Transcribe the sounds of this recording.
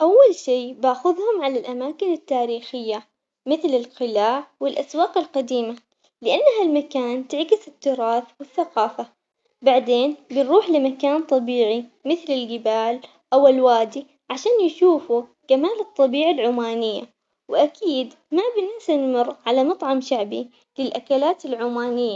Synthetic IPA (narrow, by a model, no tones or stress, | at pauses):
ʔawːalʃiːbaːxʊðhʊmʕalalʔamaːkɪnɪt̪ːaːɾiːxɪjːa | mɪθlɪlqɪlaːʕwɪlʔaswaːqɪlqad̪iːma | lɪʔanːaɦalmakaːnt̪ɪʕɡɪsɪt̪ːʊɾˤɑːθwɪθːaqɑːfa | baʕd̪eːnbɪnɾuːħlɪmakaːnt̪ˤɑbiːʕimɪθlɪlɡɪbaːl | ʔawɪlwaːd̪i | ʕaʃaːnjʃuːfu | kamaːlɨt̪ˤːɑbiːʕalʕʊmaːnɪjːa | wɪʔakʰiːd̪ | mabɪnɪsanmɪɾʕalamɑt̪ˤʕɑmʃaʕbi | lɪlʔakalaːt̪ɪlʕʊmaːnɪjːa